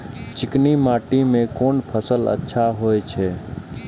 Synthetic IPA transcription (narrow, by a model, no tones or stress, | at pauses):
t͡ʃɪknimaːʈimẽkoːnpʰəsələ̰tːʃʰaɦoːet͡ʃʰeː